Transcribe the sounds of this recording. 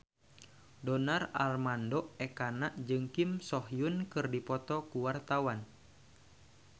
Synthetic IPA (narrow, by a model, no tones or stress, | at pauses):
dɔnara̰lmandɔɛkanaʔd͡ʒɨŋkimsɔɦjunkɨrdipɔt̪ɔkuwart̪awan